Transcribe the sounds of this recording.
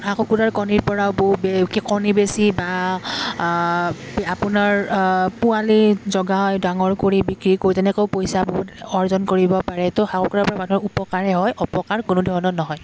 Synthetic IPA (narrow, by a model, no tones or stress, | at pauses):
xakukutaɹkɔniɹpɔɹaʊbobekikɔnibesiba | apʊnaɹpʊalizɔɡajdaŋɔɹkoɹibikɹikoɹitɛnɛkoʊpojsaboɦutɔɹzɔnkoɹibɔpaɹɛtoxakokuɾaɹpɔɹamanɔupɔkaɹɛɦɔjʔɔpɔkaɹkʊnʊdʱɔɹɔnɔnɔɦɔj